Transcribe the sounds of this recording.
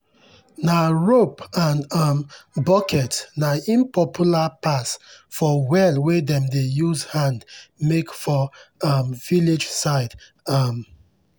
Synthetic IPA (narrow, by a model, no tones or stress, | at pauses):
naɹopãndambɔkɛtnaĩmpɔpʰjulapasfɔwɛlwedɛ̃mdejuzhãndmekfɔʌmviled͡ʒsaɪd | am